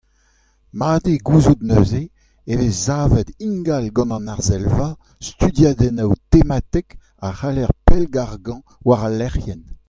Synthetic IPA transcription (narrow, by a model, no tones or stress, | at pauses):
maːd̪eɡuzud̪nøze | eveːaːvɛd̪ĩŋɡalɡɑ̃nɑ̃naʁzɛlva | st̪yd̪jaːd̪ɛnawt̪emat̪ɛk | aχalɛʁpɛlɡaʁɡɑ̃ | waʁalːɛʁjɛn